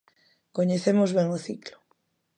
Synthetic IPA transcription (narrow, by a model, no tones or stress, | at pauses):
koɲeθemozβeŋoθiklo̥